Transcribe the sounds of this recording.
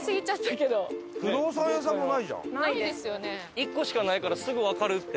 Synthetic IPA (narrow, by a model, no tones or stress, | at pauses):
sɨɡʲit͡ɕat̪ːake̞d̪oɸɯ̟d̪oːsãjas̬ãmːonaiʑã̰aid̪esɨjone | ikːo̞ɕi̥kanaikaɾasɨɡɯ̟βakaɾɯ̟t̪ːe